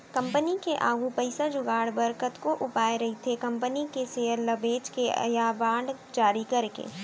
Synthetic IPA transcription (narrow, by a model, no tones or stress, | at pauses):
kɐ̃mpənikeʔaːɡʱupəɪsad͡ʒʊɡaːɽbɐɾkət̪koʔʊpaːeɾɐɦit̪ʰekɐ̃mpənikeseːəɾlɐbeːt͡ʃkeɐ̰jabaːɳɖ | d͡ʒaːɾikɐɾkḛː